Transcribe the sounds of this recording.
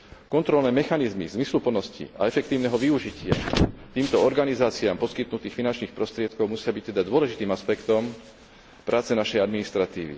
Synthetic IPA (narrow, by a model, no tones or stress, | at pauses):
kɔnt̪ɾɔlnɛːmɛxanizmḭzmislupl̩nɔscḭa̰ɛfɛk̚t̪iːʊnɛɦɔʋiuʒicɪa̰t̪iːmt̪ɔɔɾɡanizaːt͡siaːmpɔskit̪nut̪iːxfinant͡ʃniːxpɾɔst̪ɾɪɛt̪kɔʊmusɪabic̚t̪ɛd̪ad̪ʊɔlɛʒit̪iːmaspɛkt̪ɔm | pɾʔaːt͡sɛnaʃɛjad̪minist̪ɾat̪iːʋḭ